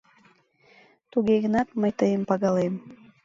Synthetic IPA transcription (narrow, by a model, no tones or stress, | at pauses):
t̪uɣeɣənɑt̪məjt̪əjəmpɑɣɑlem